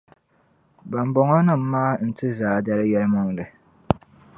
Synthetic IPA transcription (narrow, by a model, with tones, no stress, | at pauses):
ba˨m˦bɔ˨ŋɔ˦nɨ˦˨m̩˦maː˦n̩˨tʰɨ˦zaː˨da˦ɾɨ˦jɛ˦lmɔ˦ŋdɨ˨